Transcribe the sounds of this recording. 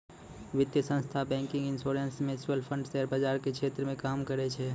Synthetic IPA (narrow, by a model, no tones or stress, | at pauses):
ʋɪt̪jəsə̃nst̪ʰabɛ̃ːŋkɪ̃ŋɡɪ̃nsoːɾẽnsmẽsʋəlpʰə̃ɳɖseːɾbəd͡ʒaːɾkekʃeːt̪ɾəmẽkaːmkəɾet͡ʃʰe